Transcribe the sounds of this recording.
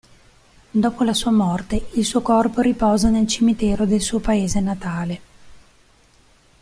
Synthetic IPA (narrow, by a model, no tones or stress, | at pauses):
d̪oːpolasuːamɔrt̪eilsuːokɔrpoɾipɔːzanelt͡ʃimit̪ɛːɾod̪elsuːopaeːzenat̪aːle